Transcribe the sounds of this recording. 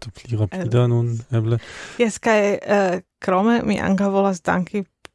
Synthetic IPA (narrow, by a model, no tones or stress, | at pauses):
t̪opliʁapiːdanunɛblejɛskajəkɾomemḭʔa̰ŋkawvolasd̪a̰ŋki